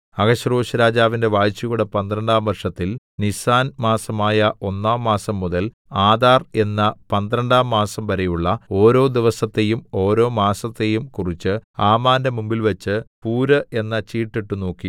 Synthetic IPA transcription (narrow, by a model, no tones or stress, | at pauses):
ɐɡɐɕɐroːɕɐɾaːd͡ʑaːʋinde̞ʋaːjt͡ɕːiɣuɽepɐnd̪ɾɐɳɖaːmʋɐrʂɐt̪ːil | nisaːnmaːsɐmaːjɐʔo̞nːaːmːaːsɐmːuðɐl | aːd̪aːre̞nːɐpɐnd̪ɾɐɳɖaːmːaːsɐmʋɐɾɐjuɭːɐo̞ːɾo̞ːd̪iʋɐsɐt̪ːe̞jumo̞ːɾo̞ːmaːsɐt̪ːe̞jumkurit͡ɕːɨaːmaːndemumbilʋɐt͡ɕːɨpuːɾɐe̞nːɐt͡ɕiːʈːiʈːuno̞ːkːi